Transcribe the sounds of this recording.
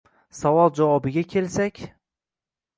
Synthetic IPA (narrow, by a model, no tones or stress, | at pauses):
savɒlˠd͡ʒavɒbɪɡʲakʲʰelsakʲ